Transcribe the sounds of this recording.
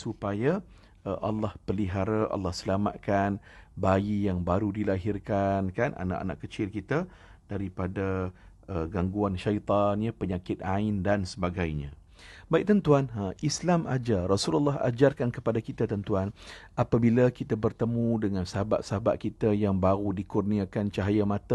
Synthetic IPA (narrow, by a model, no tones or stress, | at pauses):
supaja | əʔɑlːɑhpəliɦaɾaʔɑ̰lːɑhsəlama̰t̪̚kanbaijaŋbaɾudilaɦɪrkankanʔa̰na̰ʔa̰na̰ʔkət͡ʃɪlkit̪a | d̥aɾipada | ʔəɡaŋɡuanʃait̪ɑnjəpəɲakɪt̪̚aɪndansəbaɡajɲã̰ | baik̚t̪ənt̪uanʔislamad͡ʒarɔsulalːɑɦa̰d͡ʒarkankəpadakit̪at̪ənt̪uanʔapabilakit̪abərt̪əmũdəŋãnsəɦaba̰t̪̚səɦaba̰t̪̚kit̪ajaŋbaɣudikurniakant͡ʃaɦajamãt̪ə